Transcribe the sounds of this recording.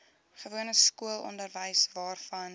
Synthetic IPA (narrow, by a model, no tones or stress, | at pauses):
χəvuənəskuəlˠɔ̰ndərvəjsvɑːrfɐn